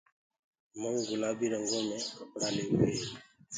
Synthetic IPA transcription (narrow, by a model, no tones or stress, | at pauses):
məŋɡʊlaːbiɾəŋɡomɛ̃kəpɽaleːwe